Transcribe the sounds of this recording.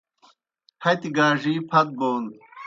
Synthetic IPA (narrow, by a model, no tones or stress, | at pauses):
hɐt̪iɡaːʐiːpʰɐt̪̚boːn